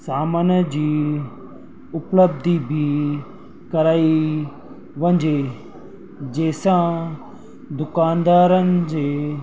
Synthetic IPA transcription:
saːmənd͡ʑiː | ʊpləb̚d̪ʱibʱi | kɐɾaːi | ʋɐ̃ɲd͡ʒeː | d͡ʒeːsãː | d̪ʊkaːnd̪aːɾənd͡ʒeː

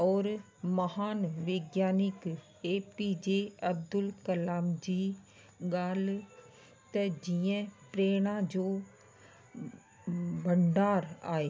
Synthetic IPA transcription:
ɔːɾ | məhaːnʋeɡjaːnɪk | eːpiːd͡ʒeːəb̚d̪ʊlkəlaːmd͡ʒiː | ɡaːl | t̪ɛd͡ʒijɛ̃ːpɾeːɽ̃ãːd͡ʒoː | bəɳɖaːɾa̰ːeː

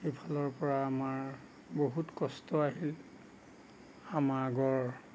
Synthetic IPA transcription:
xepʰalɔɹpɔɹaːmaɹ | boɦutkɔstɔaɦil | amaɹaɡɔɹ

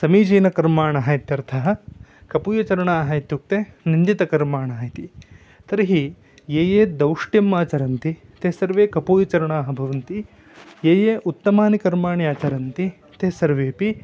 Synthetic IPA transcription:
sɐmiːd͡ʒiːnɐkɐɾmaːɳɐɦɐjt̪jɐɾt̪ʰɐɦɐkɐpuːjɐt͡ʃɐɾɐɳaːɦɐit̪juk̚t̪enind̪it̪ɐkɐɾmaːɳɐːɦjt̪i | t̪ɐɾɐɦi | jeːjeːd̪ɐwʂʈjɐmːaːt͡ʃɐɾɐnt̪it̪eːsɐɾʋeːkɐpuːjɐt͡ʃɐɾɐɳaːɦɐbʱɐʋɐnt̪i | jeːjeːʔut̪ːɐmaːnikɐɾmaːɳiaːt͡ʃɐɾɐnt̪i | t̪eːsɐɾʋeːpi

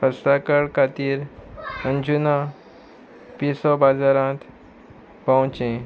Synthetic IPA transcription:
pəɾsakəɽkat̪iːɾəɲd͡ʑuna | pisɔbad͡zaɾãːt̪ʰ | pãw̃t͡ɕẽ

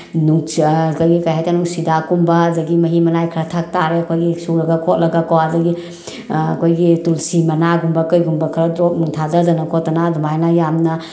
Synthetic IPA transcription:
nuŋkajɡikajɦajtanuŋsidakumbɐzɐɡimɐɦimɐnajkʰɾɐtʰak̚taɾeɐkʰojɡisuɾɐɡɐkʰot̚lɐɡakɐwazɐɡi | ɐkʰojɡitulsimɐnaɡumbɐkəjɡumbɐkʰɐɾɐtɾok̚nuŋtʰadɐzɐnɐkʰot̚ːanadʱumajnajamnɐ

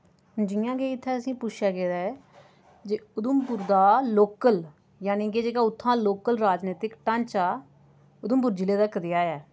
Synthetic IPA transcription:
d͡ʒɪjãːɡeːɪt̪ʰːɛːəsĩːpʊt͡ʃʰjaːɡeːd̪aːɛ | d͡ʒeːʊd̪əmpʊɾd̪aːloːkəl | jaːnĩːkeːd͡ʒeːkaːʊt̪ʰːãːloːkəlɾaːd͡ʒneːt̪ɪkʈə̃nt͡ʃaː | ʊd̪əmbʊɾd͡ʒɪleːd̪aːkəd̪ɪjaːɛː

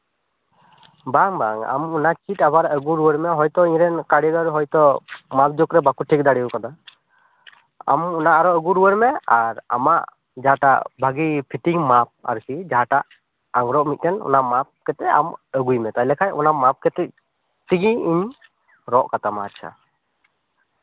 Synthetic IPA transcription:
baŋbaŋa̰mɔnat͡ʃitabaɾəɡuɾuwəɾmɛɦɔjt̪ɔiɲɾɛnkaɽiɡaɾɦɔjt̪ɔmap̚d͡ʒokɾɛbakuʈʰik̚d̪aɽiukad̪a | a̰mɔnaʔaɾɔəɡuɾuwəɾmɛaɾa̰ma̰ʔ | d͡ʒaɦaʈa̰ʔbʱaɡipʰiʈiŋmap̚a̰ɾkid͡ʒaɦaʈaʔ | aŋɾɔʔmit̪̚ˀɾɛnɔ̰namap̚kɛt̪ɛa̰məɡujmɛt̪ajlɛkʰajɔnamap̚kɛt̪ɛ | t̪iɡiiɲ | ɾɔʔkat̪amatt͡ʃʰa̰

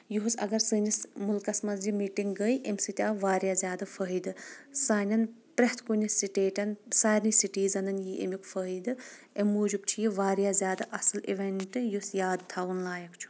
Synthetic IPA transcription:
juɦusɐ̰ɡɐɾsɨːnismulkɐsmɐzd͡ʒimiːʈiŋɡɡəjʔemsɨt̪ʲaːʋaːɾʲjaːzʲjaːd̪ɨfʰəɦid̪ɨsaːnʲɐnpɾeht̪ʰkunʲisiʈeːʈʲɐnsaːɾnisiʈiːzɐnɐnjiʔḛmikfəɦid̪ɨ | emːuːd͡ʒub̚t͡ʃʰijiʋaːɾjaːzʲjaːd̪aʔɐsɐliʋeɳʈɨjusjaːd̪t̪ʰaːʋunlaːjɐkt͡ʃʰu̥

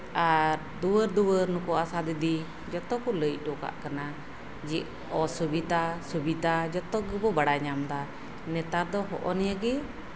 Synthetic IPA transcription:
aɾ | d̪uwəɾd̪uwəɾnukɔasad̪id̪i | d͡ʒɔt̪ɔkɔləj̚ˀʈɔka̰ʔkana | d͡ʒiʔ | ɔsubid̪asubit̪ad͡ʒɔt̪ɔɡɛbɔbaɽaɲamd̪a | nɛt̪aɾd̪ɔɦɔ̰ʔɔnijaɡi

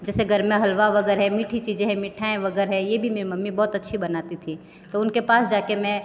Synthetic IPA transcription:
d͡ʒɛːseɡʱəɾmẽɦəlʋaʋəɡɛɾɦɛ̃miːʈʰit͡ʃiːd͡ʒẽɦɛ̃mɪʈʰaẽʋɐɡəɾɦɛ̃jebʱimeːɾimɐmːibɔːt̪ɐtːʃʰibənaːt̪it̪ʰi | t̪oʊnkepaːsd͡ʒaːkemɛ̃

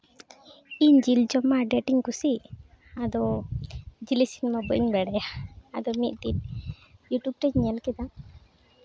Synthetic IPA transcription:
iɲd͡ʒild͡ʒɔmaɖɛʈiŋkusi | ad̪ɔ | d͡ʒilisinmabəʔiŋbɛɽɛjaad̪ɔmit̪̚ʈit | juʈub̚ʈɛd͡ʒɲɛlkɛd̪a

